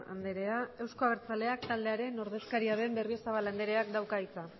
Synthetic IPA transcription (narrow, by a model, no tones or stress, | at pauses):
a̰nd̪e̞ɾe̞ae̞wsko̞aβ̞eɾt͡sale̞akt̪ald̪e̞aɾe̞no̞ɾð̞e̞skaɾiaðe̞mbe̞rio̞saβ̞aland̪e̞ɾe̞akd̪awkait͡sa